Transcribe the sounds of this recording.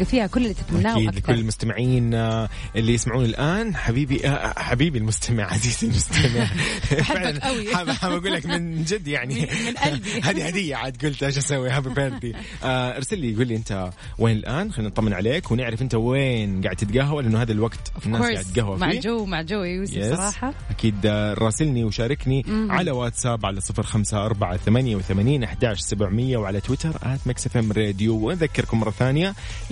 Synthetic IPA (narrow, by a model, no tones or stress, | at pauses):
afiːhakʊlːɪlːiːt̪afamnaːiːd̪lɪkʊlːɪlmʊst̪amɪʕiːn | ʔɪlːijɪsmaʕuːnɪlʔaːnħabiːbiʔaħabiːbilmʊst̪ʰamɪ̰ʕʕaziːzɪlmʊst̪ʰamɪʕɪʕlanaħaaɡuːlːakmɪnd͡ʒɪd̪ːjaʕni | haːd̪ihad̪ɪjːaʕat̪̚ɡuːlt̪ʔaʃasawːihabifeɾd̪i | ʔaʔɑɾˤsalːiɡuːlːiʔɪnt̪a | weːnɪlʔaːnxaːnːɑt̪ˤɑmːɪnʕaleːkwnɪʕɾɪfʔɪnt̪aweːnɡaʕɪd̪t̪ːɪt̪ɡaːɦawalʔɪnːhaːd̪alwaɡt̪nːaːɾɡaʕɪdt̪ɡahwafmaid͡ʒowmaʕd͡ʒawujɛsɾˤɑːħɑʔakiːd̪ɾˤɑːsɪlniwʃaːɾˤɪkniʕalawaːt̪saːbʕalasˤɨfɾxamsaʔɑɾˤbaʕaθamanjawθamaːniːnʔaħd̪aːʃsabʕmɪjːawʕalat̪wɪt̪ɑɾˤʔa̰t̪maksefamɾeːd̪juwɪnðakːɪɾkʊmːɑɾˤːɑθaːnja